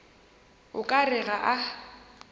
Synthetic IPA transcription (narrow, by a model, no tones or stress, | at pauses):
ʊkʼarɪɣaʔa